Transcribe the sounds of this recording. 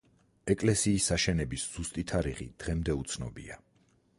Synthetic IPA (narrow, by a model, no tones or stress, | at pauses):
ɛkʼlɛsiːsaʃɛnɛbisz̥ust̪ʼit̪ʰaɾiʁḭd̪̥ʁɛmd̪ɛut̪sʰnɔ̰bḭa